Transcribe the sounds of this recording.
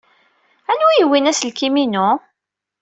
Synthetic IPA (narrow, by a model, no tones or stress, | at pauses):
ænwijəwinæslkiminu